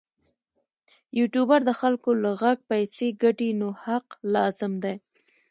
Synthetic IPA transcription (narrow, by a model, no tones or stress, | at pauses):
juʈjubaɾd̪əxalkolaɣaɡ̚pajseɡaʈinohaqlɑzɪmd̪aj